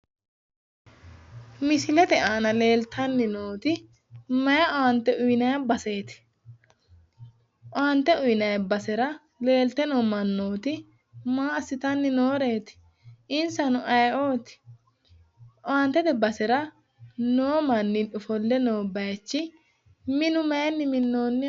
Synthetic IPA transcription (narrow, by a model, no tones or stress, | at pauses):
mɪsɪlɛt̪ɛaːnɐle̞ːlt̪ʰɐnːɪnoːt̪ɪ | mɐjɐʔɔant̪ːɛʔʊjnɐjɐbɐseːt̪ɪ̥ | ʔɔant̪ɛʊjnɐjbɐsɛɾɐ | le̞ːlt̪ɛnoːmɐnːoːt̪ɪ | maːɐsːɪt̪ɐnːɪnoːɾe̞ːt̪ɪ̥ | ɪnsɐnʊʔɐjʔoːt̪ɪ̥ | ʔɔaːnt̪ɛt̪ɛbɐsɛɾɐ | noːmɐnːɪᶑʊfɔlːɛnoːbɐjt͡ʃːɪ | mɪnʊmɐjɐnːɪmɪnːoːnːɪ